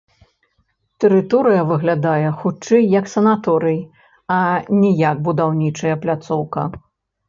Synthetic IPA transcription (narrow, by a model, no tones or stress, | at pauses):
t̪ɨɾɨt̪ɔɾɨjɐvɨɣlʲad̪ajɛxut͡ʂɛjːɐksɐnat̪ɔɾɨj | ɐnʲɛjak̚bud̪awnʲit͡ʂɐjɐplʲat̪sɔwkɐ̰